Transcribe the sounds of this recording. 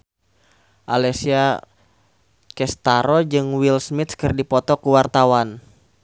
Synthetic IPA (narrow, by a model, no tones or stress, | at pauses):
ʔalɛsia | kɛst̪aɾɔd͡ʒɨŋwilsmit̪kɨrdipɔt̪ɔkuwart̪awan